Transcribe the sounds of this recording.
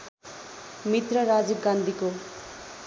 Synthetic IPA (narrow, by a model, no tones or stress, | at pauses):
mit̪rʌɾad͡zib̚ɡand̪ʱiko